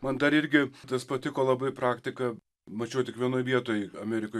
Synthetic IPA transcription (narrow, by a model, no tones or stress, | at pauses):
mɐnd̪ɐɾɪɾʲɡʲɪt̪ɐspɐt̪ʲɪkoːlˠɐbɐɪpɾɑːkt̪ʲɪkɐ | mɐt͡ʃʲɛʊt̪ʲɪkʋʲiɛnoːjʋʲiɛt̪oːjɐmʲæːɾʲɪkoː